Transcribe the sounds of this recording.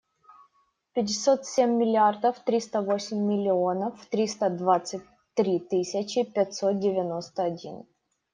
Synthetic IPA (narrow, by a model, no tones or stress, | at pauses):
pʲɪt̬ʲːɪsʲo̞t̪sʲemʲːɪlʲɪard̪əft̪ɾʲist̪əvo̞sʲɪmʲːɪlʲɪo̞nəfːt̪ɾʲist̪əd̪vat̪sɨt̚ʲ | t̪ɾʲit̪ɨsʲɪt͡ɕɪpʲɛtʲsot̪̚dʲɪvʲɪno̞st̪əɐdʲḭn